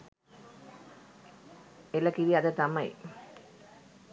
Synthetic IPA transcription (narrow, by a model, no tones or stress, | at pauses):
elɐkiʋiad̪ət̪amɐj